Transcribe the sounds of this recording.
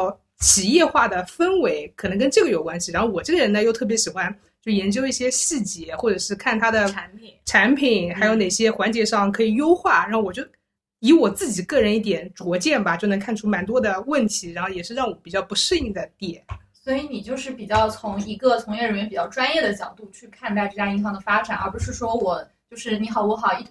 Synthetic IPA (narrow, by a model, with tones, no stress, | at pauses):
ʊ | t͡ɕʰi˨˩jɛ˥˧xwa˥˩d̪ə˩fə˥nwe˧˥ɪkʰɤ˨˩nɤ˧˥ŋk̬ə˥nʈ͡ʂɤ˥˩ɡə˩jo˨˩ʊkwa˥nɕi˨˩ɻa˧˥nxo˥˩ʊwɔ˨˩ʈ͡ʂɤ˥˩ɡə˩ɻə˧˥nə˧jo˥ʊt̪ʰɤ˥˩p̬jɛ˧˥ɕi˨˩xwa˦˥n | t͡ɕjo˥˩ʊjɛ˧˥nt͡ɕjo˥ʊi˥˩ɕjɛ˥ɕi˥˩t͡ɕjɛ˧˥xwɔ˥˩ʈ͡ʂɤ˨˩ʂɻ̩˥˧kʰa˥˩nt̪ʰa˥d̪ə˨˧˥npʰi˨˩˦nʈ͡ʂʰa˧˥npʰi˨˩˦nxa˧˥jo˧˥ne˨˩ɪɕjɛ˥xwa˧˥nt͡ɕjɛ˧˥ʂɑ˥˩ŋkʰɤ˧˥i˨˩jo˥ʊxwa˥˩ɻa˧˥xo˥˩wɔ˨˩t͡ɕjo˥˩ʊ | i˧˥wɔ˨˩t͡sɹ̩˥˩t͡ɕi˨˩kɤ˥˩ɻə˧˥ni˥˩t̪̬jɛ˨˧˩nʈ͡ʂwɔ˧˥t͡ɕjɛ˥˩nbɐ˩t͡ɕjo˥˩ʊnɤ˧˥ŋkʰa˥˩nʈ͡ʂʰu˥ma˧˥nt̪wɔ˥d̪ə˨wə˥˩nt̪ʰi˧˥ɻa˧˥nxo˥˩ʊjɛ˨˩ʂɻ̩˥˧ɻɑ˥˩ŋwɔ˧˥pi˨˩t͡ɕjɑ˥˩ʊpu˧˥ʂwə˥˧i˥˩d̪ə˩t̪jɛ˥˨˩ | swɔ˧˥i˧˥ni˨˩t͡ɕjo˥˧ʊʂɻ̩˥˩pi˨˩t͡ɕjɑ˥˩ʊt͡sʰʊ˧˥ŋi˧˥ɡə˧t͡sʰʊ˧˥ŋjɛ˥˩ɻə˧˥nɥɛ˧˥pi˨˩t͡ɕɑ˥˧ʊʈ͡ʂwa˥njɛ˥˩d̪ə˩t͡ɕjɑ˨˩ʊt̪u˥˧t͡ɕʰy˥˧kʰa˥˧nt̪a˥˧ɪʈ͡ʂɤ˥˩ja˥i˥˩sɑ˧˥ŋd̪ə˩fa˥ʈ͡ʂa˨˩nʔə̰˞˧˥pu˧˥ʂɻ̩˥˩ʂwɔ˥wɔ˨˩t͡ɕjo˥˧ʊʂɻ̩˥˩ni˧˥xɑ˨˩ʊwɔ˧˥xɑ˨˩ʊi˥˩